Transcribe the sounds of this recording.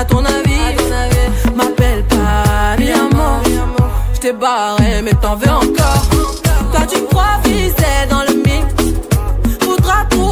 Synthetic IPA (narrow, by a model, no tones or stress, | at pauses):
t̪ɔ̃navi | mapɛlpa | amɔ̃ | ʒət̪ɛbaʁɛmɛt̪ɑ̃vɛɑ̃kɔʁt̪wat̪ykχwafisɛd̪ɑ̃ləmiks | fod̪ʁat̪χu